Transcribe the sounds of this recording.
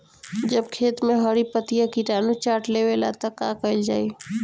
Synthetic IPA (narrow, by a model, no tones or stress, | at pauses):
d͡ʒəbkʰeːt̪mẽɦəɾipət̪ijakiʈaːnũt͡ʃaːʈlewela̰t̪əkakəɪld͡ʒaːi